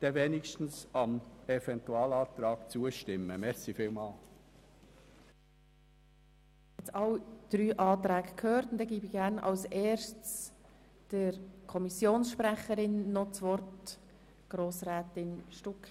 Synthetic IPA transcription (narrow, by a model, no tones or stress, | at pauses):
d̪̥ɛvenɪkʃtn̩sɑmɛvɛntuɑːlɑːt̪ɾɑːɡt͡suəʃtɪmːəmɛɾsifiːlmɑːl | ɛt͡sɑwd̪̥ɾyːʔɑːt̪ɾæːɡəkʰhøːɾtʊnd̪ɛɡiːbiɡ̥æɾnɑ̰lseːɾʃts | d̥əɾkʰɔmisjoːnsʃpɾæχəɾɪnːɔt͡sʋɔrt | ɡ̥ɾoːsrɛːtɪnʃtʊk